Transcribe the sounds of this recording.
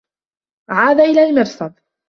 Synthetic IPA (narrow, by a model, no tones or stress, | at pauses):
ʕaːd̪aʔɪlaːlmɪɾsˤɑd̪ˤ